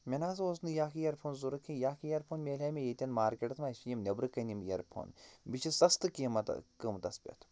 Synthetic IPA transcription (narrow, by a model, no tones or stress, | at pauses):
mʲenaːsoːsnɨjaːkʰijɐɾpʰoːnzuɾɨkʰːijaːkʰijɐɾpʰoːnmʲeːlʲɐmʲejet̪ʲɐnmaːɾkʲeʈɐt̪maːsijimnʲɐbɾɨkɐnimjɐ̰ɾpʰo̰ːnbit͡ʃʰisɐst̪ɨkiːmɐt̪ɐ̰kɨmt̪ɐspʲɐ̰t̪ʰ